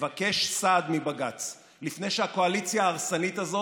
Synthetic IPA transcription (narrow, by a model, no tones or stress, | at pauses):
vake̞ʃsad̪mibaɡat͡s | lifne̞jʃehakoalit͡sjaːʁsanit̪azo̞